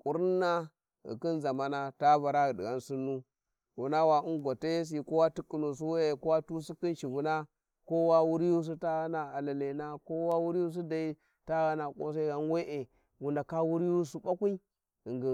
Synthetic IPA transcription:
kʼu˨ɾi˦nːa˦ | ɣḭ˨ki˦nza˨ma˨na˦ta˦va˨ɾa˦˨di˨a˦nsi˦nːu˦ | wu˨na˦wa˨i˦ŋɡʷa˨te˦s̬i˨ko˦wa˦ti˦kːi˨nu˨s̬u˦we˦e˨ko˦wa˦tu˦si˦ki˦nʃi˨vu˨na˦ | ko˦wa˦wu˦ɾju˦s̬u˦ta˦ɣa˦na˨a˨la˨le˨na˦ko˦wa˦wu˦ɾi˦ju˦s̬i˦da˨i˦ | ta˦ɣa˦na˨kʼo̰˦s̬a˦i˦ɡa˨n˦we˦ʔe˨ | wu˨nda˨ka˦wu˦ɾi˦ju˦su˦ɓa˦kʷi˦i˦˨ | ŋɡi˨

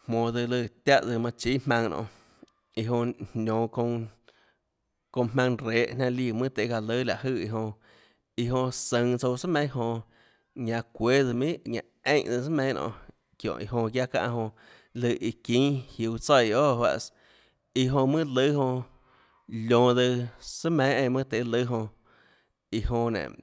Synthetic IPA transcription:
mmõː˧˨ðɨ˧lɨ˧˨t̪ja˦ʔd͡zɨ˧mã˧t͡ʃi˦hmã˧ŋnʔõ̰˧˨ | i˧ɦõ˧nʲõː˨kõ˧ | kõ˧mã˧ŋɾeː˨˦ʔnã˧li˧˨mɨ̃˦t̪e˧˨˧a˧lɨ˦la˨ʔhɨ˧˨i˧ɦõ˧ | i˧ɦõ˧sə̃˧ŋt͡so˧wsa˦mẽ˦ɦõ˧ | ɲã˧kʷe˦ðɨ˧mĩ˦ʔɲã̰˧ʔẽ˦ʔd̪ɨ˧sə˦mẽ˧˦˧nʔɔ̰̃˧˨ | kjõ̰˨ʔḭ˨ɦõ˧kʲja˦kã̰˧ʔɦõ˧ | lɨ˧ʔi˧kĩː˦hju˧˨t͡sa˧˨˧oː˦˨hwa̰˧ʔs | i˧ɦõ˧mɨ̃˦lɨ˦ɦõ˧ | lʲõ˨d̪ɨ˧sɨ˦mẽ˨˦ẽ˧˨˧mɨ̃ː˦t̪e˨˦lɨ˦ɦõ˧ | i˧ɦõ˧nḛ̃˨

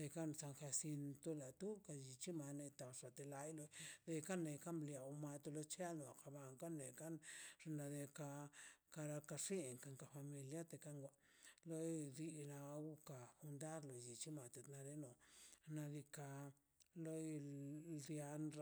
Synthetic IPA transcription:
d̪e˧ka˦nsa˧ŋxa˧si˧nt̪o˦la˨t̪u˦ka˧ji˨t͡ʃi˦ma˧ne˧t̪a˧ʂa˨t̪e˧la˧jlo˧jd̪e˧ka˦ne˧jka˦mblja˨wma˧t̪o˧lo˧t͡ʃa˦no˨ka˧ba˧ŋka˦ne˨ka˦nʐ̥e˧na˧d̪e˧ka˧ka˧ɾa˧ka˧ʂi˦˨ŋka˧ŋka˧fa˧mi˧lja˦t̪e˧ka˦ŋɡʷa˨ | lo˦jɾi˧na˧ɡu˦ka˨xu˧nd̪a˦ɾlo˨ji˨t͡ʃi˦ma˨t̪e˧t̪na˧ɾe˧no˨na˧ɾi˧ka˧ | lo˦˧dja˧nɾ

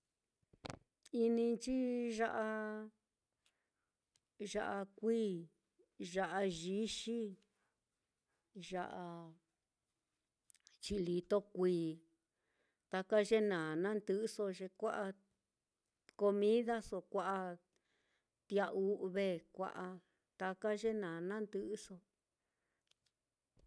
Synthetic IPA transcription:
i˧nĩ˧t͡ʃi˦ʒa˦˧ʔa˧ | ʒa̰˧ʔa˧kʷiː˦ | ʒa˧ʔa˧ʒi˧˦ʃi˦ | ʒa̰˧ʔa˧ | t͡ʃi˧li˧t̪o˦kʷiː˧ | t̪a˧ka˦ʒe˦nã˨nã˦nd̪ɨ˧˦so˧ʒe˧kʷa˦ʔa˧ | ko˧mĩ˦ða˦so˧kʷa˧ʔa˧ | t̪i˧a˧ʔu˦βe˦˨kʷa̰˧ʔa˧ | t̪a˧ka˦ʒe˦nã˨nã˦nd̪ɨ˧˦ʔso˧

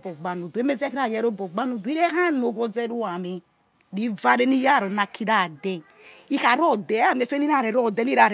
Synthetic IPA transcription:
bɔ˨ɡ͡ba˨nu˨du˨e˦me˦zɛ˦ki˦ɾa˨jɛ˦ɾo˦bɔ˨ɡ͡ba˦nu˨du˨˦i˦ɾɛ˦ɦa˦no˨˦ɡɔ˦d͡zɛ˦ɾu˦a˨mi˨ | di˦va˦ɾe˦ni˦ja˦˨ɾo˨na˨ki˦da˦˨dɛ˦ | i˦ka˨˦ɾɔ˦dɛ˨˦a˦˨m˨e˨fe˦ni˦ɾa˦˨ɾɛ˨ɾɔ˦˨dɛ˦ni˦ɾa˨ɾ

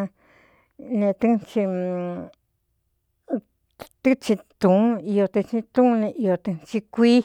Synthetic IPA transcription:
nẽ˧t̪ɨ˦˧nt͡ʃi˧ | t̪ɨ˦t͡ʃĩ˧t̪ũ˨˦i˧jo˧t̪ɨ˧t͡ʃĩ˧t̪ũ˦˧nẽ˧ʔi˧o˧t̪ɨ˧nt͡ʃi˧kʷi˦

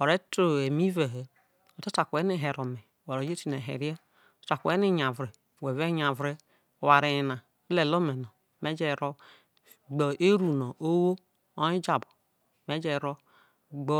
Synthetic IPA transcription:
o˨ɾe˦to˦˨e˨mi˦ve˨ɦe˨ | o˨ta˦ta˨kʷe˦ni˦˨ɦe˨ɾo˨me˨wa˨ɾo˨d͡ʒe˦ti˦ne˨ɦḛ˨ɾje̥˦ | ta˨ku˨e˦ni˦ɲa˨vɾe˨we˨ve˦ɲa˨vɾe˦˨ | wa˨ɾe˨na˨˦ | le˨lo˦me˨no˨ | me˦d͡ʒe˦˨ɾo˦ | ɡ͡bɔ˨e˦ɾu˨no˨ʔo˦wo˦ | o˦i˦d͡ʒa˨bo˨ | me˦d͡ʒe˨ɾo˦ | ɡ͡bɔ˦

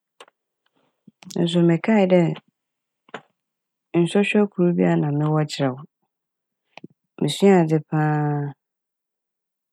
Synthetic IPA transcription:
n̩˨s̬ʊ˨mɪ̃˨kʰa˦˨dɛ˦ | n̩˨sɔ˦ɕᶣɛ˦kʰu˨ɾu˦bi˦a˦nã˨mɪ̃˦wɔ˦t͡ɕʰɪ˨ɾɛ˨wʊ˨ | mɪ̃˨sɥ̃a˨d͡zɪ˦pʰãː˦

